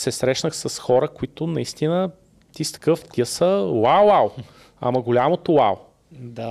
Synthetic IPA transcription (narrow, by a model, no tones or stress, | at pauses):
sɛsɾɛʃnəxsɐsxɔɾəkʊit̪ʊnɐist̪inə | t̪ist̪ə̥kɤft̪ʲiəsəwawaw | a̰mɐɡolʲamot̪owaw | d̪a